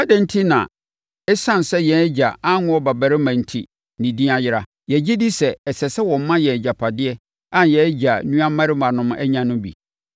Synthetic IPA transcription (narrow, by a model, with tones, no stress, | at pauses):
a˦dɛ̃˨n̩˦tʰi˦nã̰˨ | ɛ˦sã˦n˨sɛ˦jɛ˨˦d͡ʑa˨a˦ŋʊ̃˦ɔ˦ba˨bæ˨ɾɪ˦mã˨n̩˨tʰḭ˦ | nɪ̃˨dĩ˦a˦jɪ˦ɾa˨ | jɛ˨d͡ʑi˦di˦sɛ˨ɛ˨sɛ˨sɛ˦wɔ̃˨m˦mã˦jɛ˨d͡ʑa˨pʰa˨dɪ˦ɛ˦ | ã˦njɛ˨˦d͡ʑa˨nũ˦a˦mã˦ɾɪ˦mã˨nʊ̃˦mɛ̰˦ɲã˦nʊ̃˦bḭ˨